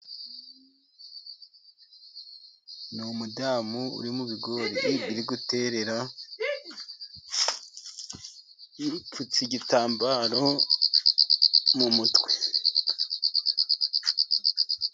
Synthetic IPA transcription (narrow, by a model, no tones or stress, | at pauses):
numudaːmuṵɾimuβiɡo̞ɾiβiɾiɡute̞ɾe̞ɾa | fut͡siɟitaːmbaɾo̞ | mumutwe̥